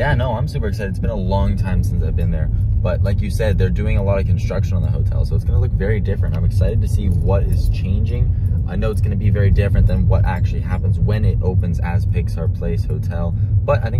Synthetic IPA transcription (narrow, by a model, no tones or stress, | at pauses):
jænoʊãɪ̃msʉpə˞ɨksaɪɨdɨtsb̥ɨ̃nəlɔ̃ŋtʰãɪ̃msɪ̃nsaɪvbɨ̃nðə˞b̥ʌt̚laɪkjɨsɛd̪̚ðə˞dʉɪ̃ŋəlɔɾʌ̥kʰn̩stɹ̥ʌkʃɨ̃nə̃n̩ðəɦoʊtʰɛ̰lˠsoʊətsɡ̥ʌnəlʊkvɛɹidɪfɹɨ̃ntãɪ̃mɨksaɪɾɨd̚tʰɨsiwʌɾɪz̥t͡ʃʰẽɪ̃nd͡ʒɪ̃ŋʔaɪnoʊətsɡ̥ʌnɨbivɛɹidɪfɹɨ̃nðɨ̃nwʌɾʔæ̰k̚t͡ʃʉl̩ˠihæpə̃nzwɨ̃nɪɾoʊpɨ̃nzɨz̥pʰɪksaʊə˞pʰl̥eɪshoʊtʰɛlˠb̥ʌɾaɪθɪ̃ŋ